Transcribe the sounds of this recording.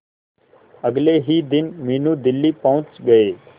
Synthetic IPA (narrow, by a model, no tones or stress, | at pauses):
əɡleɦiːd̪ɪnmiːnũːd̪ɪlːiːpɐɦʊ̃t͡ʃɡɐeː